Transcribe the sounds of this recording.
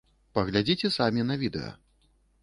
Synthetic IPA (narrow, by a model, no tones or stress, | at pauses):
pɐɣlʲad͡zʲit͡sʲɛsamʲinɐvʲid̪ɛ̰jɐ̰